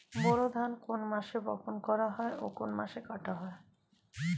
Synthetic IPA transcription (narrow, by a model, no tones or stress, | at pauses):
boɾod̪ʱankonmaʃebɔkʰonkɔɾaɦɔeʔokonma̰ʃekaʈaɦɔe